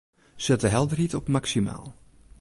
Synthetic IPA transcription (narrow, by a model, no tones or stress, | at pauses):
sɛtəɦɛlˠdərɦitɔpmaksima̰ːlˠ